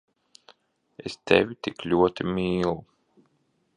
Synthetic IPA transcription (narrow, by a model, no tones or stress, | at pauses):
ḛst̪ɛ̰vʲit̪iklʲuɔt̪imʲiːlˠu